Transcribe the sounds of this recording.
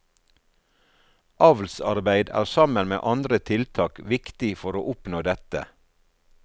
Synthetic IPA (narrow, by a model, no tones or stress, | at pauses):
ʔɑʋlsɑ̰ɾbæɪd̪æ̰ːʁsɑmənmḛːʔɑnd̪ɾət̪ʰɪlt̪ʰɑːkʋɪkt̪ɪfɔɾo̰ːʔʊpnoːd̪ɛt̪ə̰